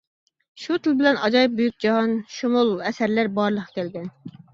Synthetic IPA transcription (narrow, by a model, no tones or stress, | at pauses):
ʃut̪ʰɨlˠbɪlɛnɑd͡ʒɑjip̚bujyk̚ʲd͡ʒɑɦɑnʃumulˠɛsæɾlæɾbɑɾlˠəqʰkʲʰɛlɡʲɛn